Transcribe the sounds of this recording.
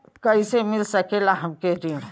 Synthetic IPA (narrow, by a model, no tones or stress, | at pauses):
kəisemɪlsəkelaɦɐmkeɾin